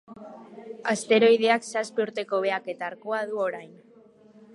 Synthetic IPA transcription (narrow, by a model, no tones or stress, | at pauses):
ast̪e̞ɾo̞jð̞e̞aksaspiuɾt̪e̞ko̞β̞e̞ake̞t̪aːɾkoað̞uo̞ɾajn